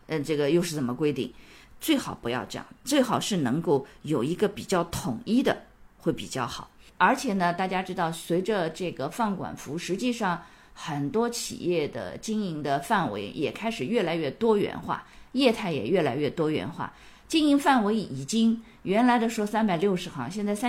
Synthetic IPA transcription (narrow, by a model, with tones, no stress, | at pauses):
ə˧ʈ͡ʂɤ˥˩ɡə˩jo˥˧ʊʂɻ̩˥˩t͡sə˨˩mə˦kwe˥ɪt̪ḭ˥˩ŋ | t͡swe˥˩ɪxɑ˨˩ʊpu˧˥jɑ˥˧ʊʈ͡ʂɤ̰˥˧jɑ̰˥˩ŋt͡swe˥˩ɪxɑ˨˩ʊʂɻ̩˥˩nɤ˧˥ŋko˥˩ʊjo˨˩ʊi˧˥ɡə˧pi˨˩t͡ɕjɑ˥˩ʊt̪ʰʊ˨˩ŋi˥d̪ə̰˨ | xwe˥˩ɪpḭ˨˩t͡ɕjɑ˥˩ʊxɑ˨˩˦ʊ | ə˞˧˥t͡ɕʰjɛ˨˩nə˧t̪a˥˩t͡ɕja˥ʈ͡ʂɻ̩˥t̪ɑ˥˩ʊswe˧˥ɪʈ͡ʂə˧ʈ͡ʂɤ˥˩ɡə˩fɑ˥˩ŋkwa̰˨˩nfu˧˥ʂɻ̩˧˥t͡ɕi˥˧ʂɑ˥˩ŋ | xə˨˩nt̪wɔ˥t͡ɕʰḭ˨˩jɛ˥˩d̪ə̰˩t͡ɕi˥ŋi˧˥ŋd̪ə˧fa˥˩nwḛ˧˥ɪjʔɛ˨˩kʰa˥ɪʂɻ̩˨˩ɥɛ˥˩la˧˥ɪɥɛ˥˩t̪wɔ˥ɥɛ̰˧˥nxwa̰˥˩jɛ˥˧t̪ʰa˥˩ɪjɛ̰˨˩ɥɛ˥˩la˧˥ɪɥɛ˥˩t̪wɔ˥ɥɛ̰˧˥nxwa̰˥˩ | t͡ɕi˥ŋi˧˥ŋfa˥˩nwe˧˥ɪi˨˩t͡ɕi˥ŋ | ɥɛ˧˥nla˧˥ɪd̪ə˧ʂwɔ˥sa˥npa˨˩ɪljo˥˩ʊʂɻ̩˧˥xɑ˧˥ŋɕjɛ˥˧nt͡sa˥˩ɪs